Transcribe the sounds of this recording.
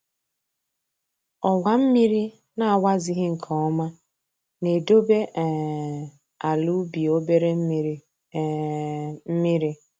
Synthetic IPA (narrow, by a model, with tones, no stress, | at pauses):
ɔ˨wa˨m̩˦mi˦ɾi˦ | na˨a˨wa˦zi˦ɦɪ˦ŋ̩˨kʰɔ˨ɔ˦ma˦ | ne˨do˦be˦ʔ | a˨lu˦bi˨o˦be˦ɾe˦ | m̩˦mi˦ɾi˦